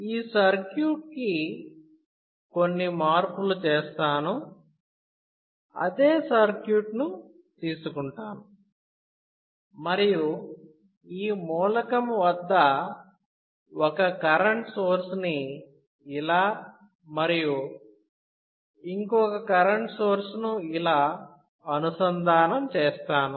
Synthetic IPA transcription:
iːsɐɾkjuːʈ̚ki | ko̞nːimaːɾpulut͡ʃeːst̪aːnu | ɐ̰d̪eːsɐɾkjuːʈnu | t̪iːsukuɳʈaːnu | mɐɾiju | iːmuːlɐkɐmʋɐd̪ːɐ | ɔkɐkɐɾɐɳʈsoːɾsni | ilaː | mɐɾiju | iŋkɔkɐkɐɾɐɳʈsoːɾsnuilaː | ɐnusɐnd̪ʱaːnɐmt͡ʃeːst̪aːnu

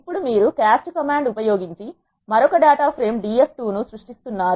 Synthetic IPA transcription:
ipːuɽumiːɾukaːsʈkɐmaːɳɖupɐjo̞ːɡiɲt͡ʃi | mɐɾɔkɐɖaːʈaːpʰɾe̞ːmɖiːe̞pʈuːnusɾuʂʈist̪unːaːɾu

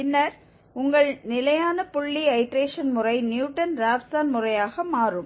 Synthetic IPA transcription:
pɪnːɐɾ | ʊŋɡɐɭnɪlɐjaːnɐpʊɭːiɐɪʈɾeːʂɐnmʊrɐɪnjuːʈːɐnɾaːʋsaːnmʊrɐjaːɣɐmaːrɯm

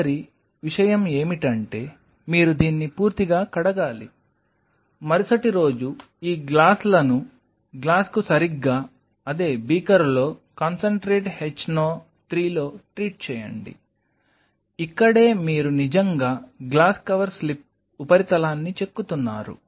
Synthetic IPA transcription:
ɐɾi | ʋiʂɐjɐme̞ːmiʈɐɳʈe̞ː | miːɾud̪iːnːipuːɾt̪iɡaːkɐɽɐɡaːlḭ | mɐɾisɐʈiɾo̞ːd͡ʒu | iːɡlaːslɐnu | ɡlaːskusɐɾiɡːaː | ɐd̪e̞ːbiːkɐɾlo̞ːkɐnsɐɳʈɾeːʈhet͡ʃːnoː | t̪ɾiːlo̞ːʈɾiːʈ̚t͡ʃɛːjɐ̰ɳɖḭ | ikːɐɽe̞ːmiːɾunid͡ʒɐŋɡaːɡlaːskɐʋɐɾslip̚ | upɐɾit̪ɐlaːnːit͡ʃe̞kːut̪unːa̰ːɾṵ

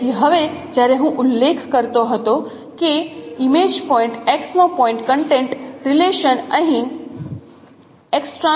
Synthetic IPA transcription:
iɦɐʋed͡ʒaːɾẽɦũʔʊlːeːkʰkəɾt̪oɦət̪o | keɪmeːd͡ʑpɔːɪ̃ɳʈeksnõpɔ̃ːɪ̃ɳʈkə̃ɳʈẽɳʈɾɪleːʃənəɦĩn | eksʈɾa

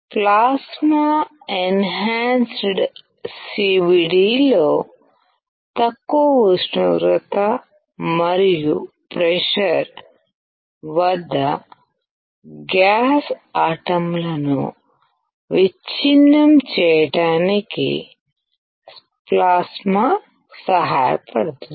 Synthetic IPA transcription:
plaːsmaː | enɦaːnsɖ | siʋiɽiːloː | t̪ɐkːoːʋusnṵɾut̪ɐ | mɐɾiju | pɾɛʃɐɾ | ʋɐd̪ːɐ | ɡjaːsaːʈɐmlɐnṵ | ʋit͡ʃinːɐmt͡ʃɛjɐʈaːnikḭ | s | plaːsma | sɐɦaːjɐ̰pɐɽɐt̪u

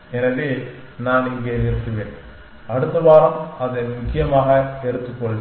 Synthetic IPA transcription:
ɛnɐðe | naːnɪŋɡɐɪɾɯt̪ːɯʋeːn | ɐɽɯt̪ːɐʋaːɾɐmɐðɐmʊkːɪjɐmaːɣɐɛɾɯt̪ːɯkːɔɭ

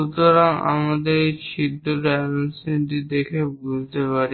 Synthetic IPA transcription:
ut̪oɾaŋa̰mad̪eɾʃʰid̪ʱːoɾansiniʈid̪ekʰebud͡ʑt̪epaɾ

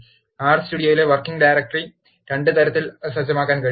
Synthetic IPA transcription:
aːrsʈuːɽɪjoːjɪleʋɐrkɪŋɡɖajɾɐk̚ʈri | ɾeɳɖɯt̪ɐɾɐt̪ːɪlɐsɐd͡ʑɐmaːkːaːnkɐ

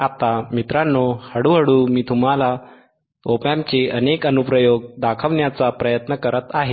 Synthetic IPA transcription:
at̪amit̪ɾãnːohəɽuːɦəɽuːmiːt̪ʰum̤ala | opamt͡seənekənupɾəjoɡd̪akʰəʋɳjat͡sapɾəjət̪nəkəɾət̪aɦe

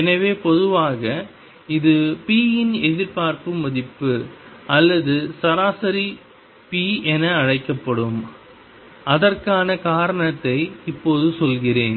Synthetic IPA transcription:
ɛnɐʋeːpɔðɯʋaːɣɐ | ɪðɯpiːjɪnɛðɪɾpaːɾpɯmɐðɪpːɯʔɐlːɐðɯsɐɾaːsɐɾi | piːɛnɐɐɻɐɪkːɐpːɐɽɯm | ɐðɐrkaːnɐkaːɾɐɳɐt̪ːɐɪɪpːoːðɯsɔlɣɪreːn

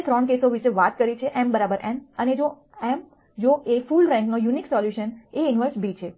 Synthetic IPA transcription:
et̪ɾɔɳkesoʋiʃeʋat̪̚kəɾit͡ʃʰeʔɛmbəɾabəɾʔɛməned͡ʒo | ɛm | d͡ʒoʔefulɾɛ̃ŋknojuniksɔljuʃəneɪnʋəɾsbit͡ʃʰe

